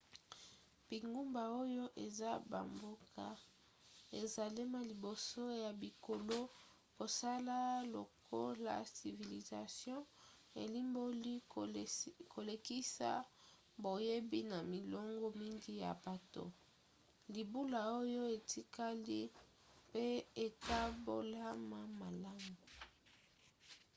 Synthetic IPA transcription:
b̥i˨ŋɡu˦mba˨o˦jo˦ʔe˨za˦ba̰˨mbo˦kʰa˦ | ḛ˨za˨li˦ma˨li˨bo˨so˦ja˨bi˨ko˨lo˦ | bo˨sa˦la˦lo̰˨kʰo̰˦la̰˨si˨vi˨li˨za̰˨sjɔ̃˦ | ḛ˨li˦mbo˦li˦ | kʰo˨le˨ki˦sa̰˦ | bo˨je˦bi˦na˨mi˨lɔ˦ŋɡɔ˦mi˦ŋɡi˦ja̰˨ba˨to̰˦ | li˨bu˦la˨o˦jo˦e˨tʰi˦ka˦li˦ | pe˦e˨ka˦bo˦la˦ma˦ma˨la˦mu˨

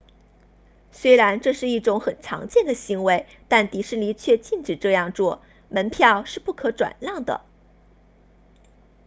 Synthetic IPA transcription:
swe˥ɪɻa˧˥nʈ͡ʂɤ˥˧ʂɻ̩˥˧i˥˩ʈ͡ʂʊ˧˥ŋxə˨˩nʈ͡ʂʰɑ̰˧˥ŋt͡ɕjɛ˥˩nd̪ə˩ɕi˧˥ŋwe˧˥ɪ | t̪a˥˩nt̪i˧˥ʂɻ̩˥˩nli˧˥t͡ɕʰɥɛ˥˧t͡ɕi˥˩nʈ͡ʂɻ̩˨˩ʈ͡ʂɤ˥˧jɑ˥˧ŋt͡swɔ˥˩ | mə˧˥npʰjɑ˥˧ʊʂɻ̩˥˧pu˥˩kʰɤ˧˥ʈ͡ʂwa̰˨˩nljɑ˥˩ŋd̪ə̰˩

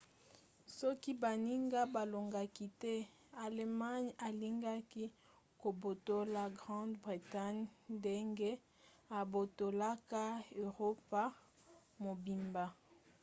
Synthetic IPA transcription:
sɔ˦ki˦ba˨ni˦ŋɡa˦ba˨lo˨ŋɡa˦ki˦tɛ˦ | a˨lma˦ɲa˨li˦ŋɡa˦ki˦ | ko˨bo˨to˦la˦˨ɡʁɑ̃˦dbʁi˨ta˦ɲnde˦ŋɡe˦ | a˨bo˨to˨la˦ka˦ø˨ʁo˦pa˦ | mo˨bi˨mba˦

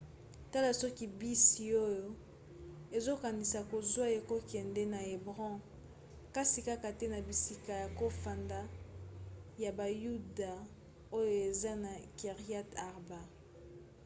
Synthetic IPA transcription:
ta˦la˨sɔ˦ki˨bi˦si˨o˦jo˦ | e˨zo˦ka˨ni˨sa˨ko˨zwa˦e˨ko˦kɛ˨ndɛ˦na˨e˨bʁɔ̃˦ | ka˦si˨ka˦ka˨te˦na˨bi˨si˦ka˨ja˨ko˦fa˨nda˦ | ja˨ba˨ju˦da˨ | o˦jo˦˨e˨za˦na˨ke˨ʁi˦a˦ta˨ʁba˦

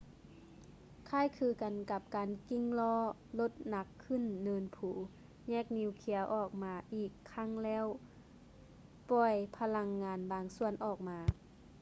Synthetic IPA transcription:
kʰaː˧˥˨jkʰɯː˧˦ka˨nka˧˩p̚kaː˨nki˧˥ŋlɔː˧˥ | lo˧˦t̪̚na˧˥kʰːɯ˧˥˨nːɤː˧npʰuː˨˩˦ | ɲɛː˧˥˩k̚ni˧˥˨wkʰi˧˩əwʔɔː˧˩k̚maː˧ʔiː˧˨˩kʰːa˧˥˨ŋlɛː˧˥˨w | pɔː˧˩jpʰa˧la˧ŋːaː˧nbaː˨ŋsu˧˨ənʔɔː˧˨˩k̚maː˨˧˦

